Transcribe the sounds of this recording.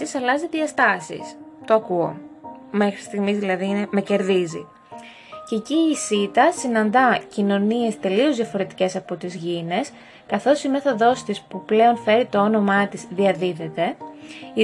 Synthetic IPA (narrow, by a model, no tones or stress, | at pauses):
isɐlɐziðiɐst̪ɐsḭst̪oɐkuo̞̰me̞xɾist̪iɣmizðilɐðineme̞ce̞ɾðizḭ | ceciːsit̪ɐsinɐnd̪ɐcino̞nie̞st̪e̞lio̞zðʝɐfo̞ɾe̞t̪i̥ce̞sɐpo̞t̪izʝine̞s | kɐθo̞sime̞θo̞ðo̞st̪ispuple̞o̞nfe̞ɾit̪o̞o̞no̞mɐt̪izðiɐðiðe̞t̪e̞i